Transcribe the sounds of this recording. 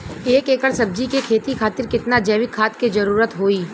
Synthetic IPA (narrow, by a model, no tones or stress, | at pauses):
eːkeːkəɾsɐb̚d͡ʒikekʰeːt̪ikʰaːt̪ɪɾkɪt̪nad͡ʒeːʋɪkʰːaːt̪ked͡ʒɐɾuːɾət̪ɦoːiː